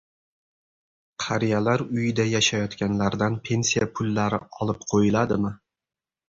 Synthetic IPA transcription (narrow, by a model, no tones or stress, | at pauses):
qʰɑɾijalaɾʊjɪd̪ajaʃajɒt̪kʲʰanlaɾd̪anpʰe̞nsijapʰʊlːaɾɪɒlˠɪp̚qʰojɪlad̪ɪmɪ